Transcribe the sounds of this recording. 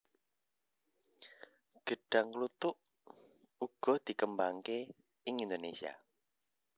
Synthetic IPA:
ɡ̥əɖ̥a̤ŋklut̪ʊʔ | uɡ̥ɔ̤d̪̥i̤kəmbaŋke | ɪŋind̪onesia̰

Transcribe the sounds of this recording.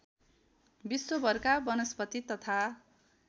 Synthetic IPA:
biswobʱʌrkabʌnʌspʌt̪it̪ʌt̪ʰa

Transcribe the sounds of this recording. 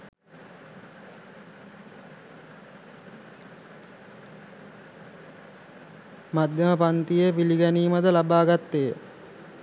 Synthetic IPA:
mad̪jɐməpant̪ijepiliɡæniːmad̪əlabaːɡat̪ːej

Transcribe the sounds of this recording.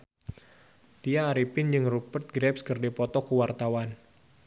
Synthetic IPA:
t̪ijaːɾipɪnd͡ʒɨŋrupərt̪̚ɡɾɛpskɨrdipɔt̪ɔkuwart̪awan

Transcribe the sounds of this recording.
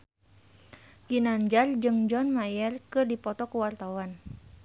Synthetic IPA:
kinaɲd͡ʒard͡ʒɨŋd͡ʒɔnmajɛrkɨrdipɔt̪ɔkəwart̪awan

